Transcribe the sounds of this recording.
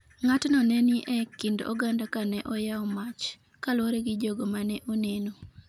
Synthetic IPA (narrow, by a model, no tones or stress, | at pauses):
ŋatnɔnɛniʔɛkɪndo̰ɡandakanɛʔɔjaɔmat͡ʃ | kalwoɾeɡɪd͡ʒoɡomanɛʔoneno